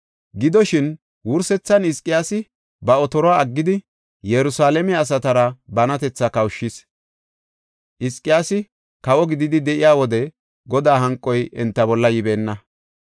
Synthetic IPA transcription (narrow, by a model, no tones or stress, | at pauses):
ɡɪd̪ɔʃɪn | wʊɾsɛt͡sːɐnɪskʼːɪjaːsɪ | bɐɔt̪ɔɾɔaːɐɡːɪd̪ɪ | jɛɾʊsaːlɛmɛɐs̬ɐt̪ɐɾɐbɐnɐt̪ɛt͡sːɐkɐwʃːɪs | ʔɪskʼːɪjaːsɪ | kɐwɔɡɪd̪ɪd̪ɪd̪ɛʔɪjaːwɔd̪ɛ | ɡɔd̪aːɦɐŋkʼːɔjʔɛnt̪ːɐbɔlːɐjɪbeːnːɐ